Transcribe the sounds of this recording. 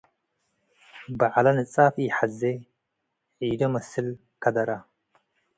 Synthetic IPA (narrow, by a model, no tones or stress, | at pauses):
bɐʕalɐnɨt͡sʼafħaze | ʕid̪ɐmɐsɨl | kʰɐd̪ɐɾɐ